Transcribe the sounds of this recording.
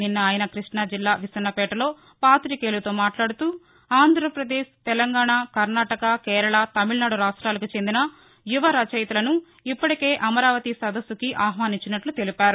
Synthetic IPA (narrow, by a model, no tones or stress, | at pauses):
ninːɐaːjɐnɐkɾiʂɳɐd͡ʒilːaːʋisɐnːɐpɛːʈɐlo̞ː | paːt̪ɾikeːlut̪o̞ːmaːʈlaːɽut̪uː | aːnd̪ʱɾɐpɾɐd̪eːʃt̪ɛlɐŋɡaːɳaːkɐɾnaːʈɐkɐkɛːɾɐɭɐt̪ɐmiɭnaːɽuɾaːʂʈɾaːlɐkit͡ʃe̞nd̪inɐ | juʋɐɾɐt͡ʃɐjt̪ulɐnu | ipːɐʈike̞ːʔɐmɐɾaːʋɐt̪isɐd̪ɐsːukiʔaːɦʋaːniɲt͡ʃːinɐʈlut̪e̞lipaːɾu